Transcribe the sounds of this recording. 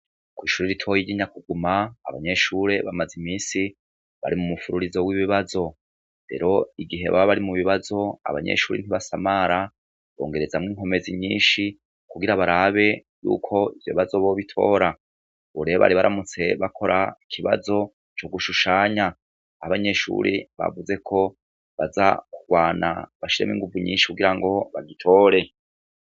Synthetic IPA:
kwiːʃuːɾeɾitʰo̞jiɟiɲakuɡuma̰ːβaɲe̞ʃuɾe̞βamazimiːsi | βa̰ɾimumufuɾuɾizo̞wiβiβazo̞ | ɾe̞̰ɾo̞iɡiɦe̞̰βa̰βaβaɾimuβiβazo̞a̰βa̰ɲe̞̰ʃuːɾen̥iβasamaɾa | βo̞̰ːŋɡe̞ɾe̞zamŋiːŋɦo̞me̞ziɲiːnʃi | kuɡiɾaβaɾaβe̞ | jṵːkʰo̞iv̥joβiβazo̞βo̞βitʰo̞̰ːɾa | βuɾeβa̰ɾiβaɾamut͡se̞βakʰo̞ɾʔaikʰiβa̰zo̞ | t͡ʃo̞ɡuʃuʃaːɲa | ahaβaɲe̞ʃṵːɾiβa̰vuze̞kʰo̞ | βaza̰kuɡ̥waːna̰βaʃiɾemḭŋɡuvuɲḭːnʃi̥kuɡiɾaŋɡo̞βaɡitʰo̞ːɾe̞

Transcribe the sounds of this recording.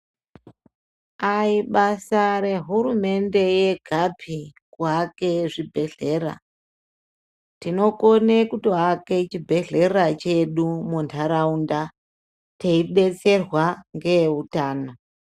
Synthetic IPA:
aiɓasaɾe̞ɦuɾume̞nde̞je̞ɡʱapʰi | kuake̞ʐibʱe̞ɮe̞ːra̰ | tino̞konekutoɦake̞t͡ʃibʱe̞ɮe̞rat͡ʃe̞ɗumuntʰaɾaunda | teiɗe̞t͡se̞rwaŋɡe̞ɦutaːno

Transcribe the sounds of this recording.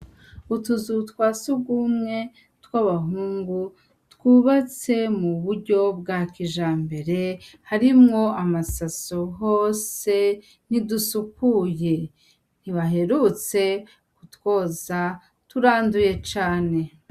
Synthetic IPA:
utuzutwaːsuɡumŋe̞ | twaβaɦuːŋɡu | twuβat͡se̞muβuɾɟo̞b̚ɡakiʒaːmbe̞ɾe̞haɾimŋo̞amasasoɦoːse̞ | nidusupuːje̞ | niβaɦe̞ɾut͡se̞ | kutwo̞ːza | tuɾaːnduje̞t͡ʃaːne̞

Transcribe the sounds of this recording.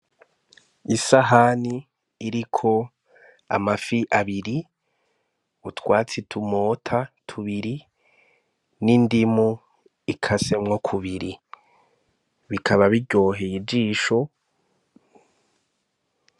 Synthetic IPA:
isaɦaniː | ɾikʰo̞ | a̰mafiʔaβiɾi | utwaːt͡sitʰumoːtʰatʰuβiɾi | nindimu | ikʰasemŋokʰuβiɾi | βikʰaβaβiɟo̞ːɦejid͡ʒiːʃo̞

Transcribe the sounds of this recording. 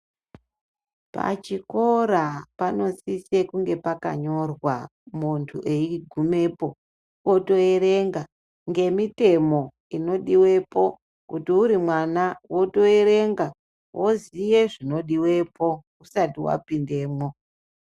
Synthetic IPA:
pa̰t͡ʃiko̞ɾapano̞sise̞kuŋɡe̞paka̰ɲo̞rwamuntʰuʔe̞iɡʱume̞po̞ | woto̞eɾe̞ŋɡa | ŋɡe̞mite̞mo̞ | ino̞ɗiwe̞po̞ | kutiuɾimwanawo̞to̞e̞ɾe̞ŋɡa | wʔozije̞ʐino̞ɗiwe̞po̞ | usatiwa̰pinde̞ːmwo

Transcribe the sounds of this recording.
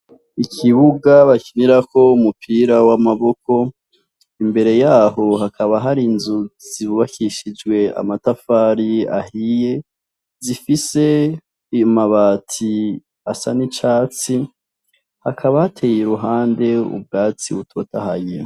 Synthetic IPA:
ikʰiβuɡaβakiniɾakʰo̞umupʰiːɾawamaβo̞ko̞ | imbe̞ɾe̞jaːɦo̞hakʰaβaɦaɾinzuz̥iβuβakiʃid͡ʒɡwe̞a̰matafaːɾia̰hije̞ | zifise̞ | ijumaβaːtʰi | asa̰nit͡ʃaːt͡si | hakʰaβaatʰe̞jeɾuɦaːnde̞ṵb̚ɡaːt͡sḭβutʰo̞ːtahajḛ

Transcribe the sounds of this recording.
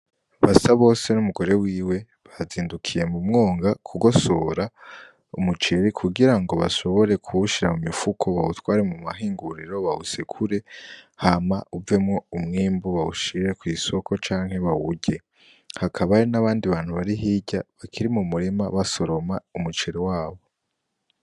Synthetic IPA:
βasaβo̞ːse̞numuɡo̞ɾe̞wiːwe̞ | βaziːndukʰije̞mumŋo̞ːŋɡakʰuɡo̞so̞ːɾa | umut͡ʃeɾikʰuɡiɾaŋɡo̞βa̰ʃo̞βo̞ɾe̞kʰuuʃiɾamumifukʰo̞βautwaːɾemumaɦiːŋɡuɾiɾo̞βahusekʰuɾe̞hamauve̞mŋo̞umŋiːmbuβauʃiɾe̞kwiːso̞ko̞t͡ʃaːŋhe̞βawuɟe̞ | hakʰaβaɾinaβaːndiβaːn̥huβaɾiɦiɟaβakʰiɾimumuɾimaβaso̞ɾo̞maumut͡ʃe̞ɾiwaːβo̞

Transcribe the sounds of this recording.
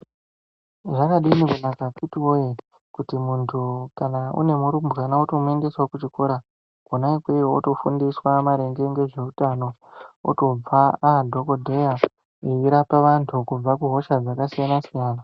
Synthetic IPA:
ʐakaɗinikunakakutiwoje | kutimuntʰukanaṵne̞muɾumbɣanauto̞mue̞nde̞swakut͡ʃiko̞ɾa | konaikwejoo̰to̞fundiswamaɾe̞ŋɡe̞ŋɡe̞ʐe̞utano̞o̰to̞b͡vaadʱo̞ko̞dʱe̞ja | eiɾapaʋantʰukub͡vakuɦo̞ʃad͡zakasijanasijaːna

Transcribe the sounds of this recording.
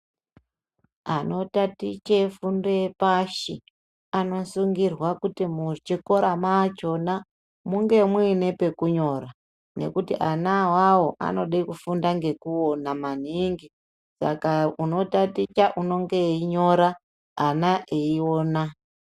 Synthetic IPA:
ano̞tatit͡ʃe̞fundoepaʃi | ano̞suŋɡirwakutimut͡ʃiko̞ɾamat͡ʃo̞na | muŋɡe̞mwiine̞pe̞kuɲo̞ɾa | ne̞̰kutḭʔanawawo̞ʔa̰no̞ɗakufundaŋɡe̞kuo̞naman̤iŋɡi | sa̰kauno̞tatit͡ʃaʔuno̞ŋɡe̞iɲo̞ɾaː | naʔeio̞ːna

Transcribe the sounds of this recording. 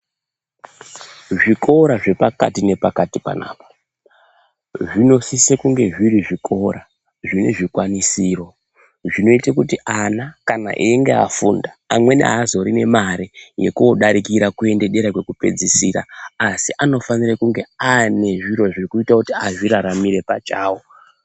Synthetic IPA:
ʐiko̞ɾaʐe̞paka̰tine̞pakatipa̰na̰ːpḁ | ʐino̞sisekuŋɡe̞ʐiɾiʐikʰo̞ɾa | ʐine̞̰ʐikwanisiːro̞ | ʐino̞itakutiʔanakana̰ʔiŋɡe̞a̰fṵndaːmwe̞nḛazo̞ɾine̞maɾije̞̰kuoɗaɾikiɾakue̞nde̞ɗe̞ɾakwe̞kupe̞̰d͡zisiɾa̰ːsiʔano̞fanirekuŋɡe̞ane̞ʐiɾo̞ʐirikuitakutiaʐiɾaɾamiɾe̞pat͡ʃaːwo̞

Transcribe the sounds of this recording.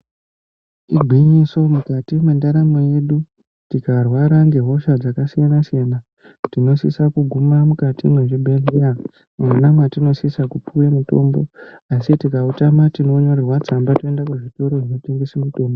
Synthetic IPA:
iɡʱwiɲiso̞mukatimendaɾamoje̞ɗu | tikarwaɾaŋɡe̞ɦo̞ʃad͡zakasijanasijana | tino̞sḭsakuɡʱumamukatḭmweʐibʱelija | manamwatino̞sisakupuwemuto̞̰mbo̞asitikautamatino̞ɲo̞rerwat͡sambatoendakuʐito̞ɾo̞ʐinoteŋɡesemito̞ːmbo

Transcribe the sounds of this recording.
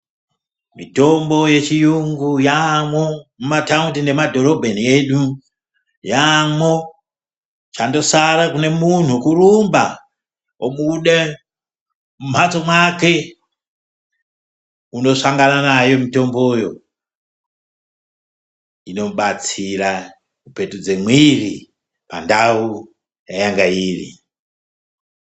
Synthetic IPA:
mito̞mbo̞je̞t͡ʃijuŋɡujamwomumatauntinde̞madʱo̞ɾo̞bʱenieɗu | jamo̞ | t͡ʃando̞saɾakune̞mun̤ukuɾumba̰ | oɓuɗe | mum̤atomwake̞ | uno̞ʂaŋɡananajo̞mito̞mbo̞jo̞ | ino̞ɓat͡sira | kupe̞tud͡zemwiri | pandau | jajaŋɡaiːrḭ

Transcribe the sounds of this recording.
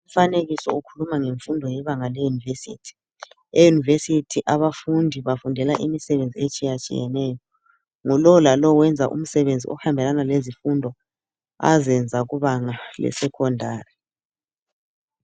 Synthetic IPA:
um̩faneɣisɔ̰ukʰulumaŋeɱfundʱɔjɛβaŋalejunivesḭːtʰi̥ | ejunivesitʰiʔaβafundʱiβafundʱɛlaʔḭmisɛβend͡zʱiet͡ʃʼijat͡ʃʼḭjɛ̰nɛːjɔ | ŋulɔlalɔwɛnd͡zʱaʔṵm̩sɛβend͡zʱḭʔɔ̰hambʱɛlanalezifundʱɔ | a̰zɛnd͡zʱaɣuβaŋalɛ̰sɛkʰɔndʱaːri

